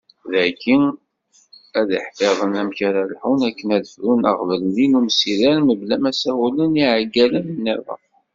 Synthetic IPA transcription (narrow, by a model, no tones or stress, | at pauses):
ðækːin | æðiħfeðˤənæmçaɾælħunækːənæðəfɾunə̰ʁvəllinumsilæɾməblæmæsæhuləniʕaɡːælənənːæðˤə̰